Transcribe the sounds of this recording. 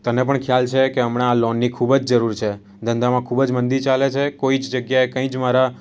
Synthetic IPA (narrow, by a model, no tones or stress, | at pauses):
t̪ənepəɳkʰjalt͡ʃʰekeəmɽ̃aːlɔnːikʰubəd͡ʒd͡ʒəɾuɾt͡ʃʰe | d̪ʱə̃nd̪amãkʰubd͡ʒmənd̪it͡ʃalet͡ʃʰekoid͡ʒd͡ʒəɡjaekə̃ĩd͡ʒmaɾa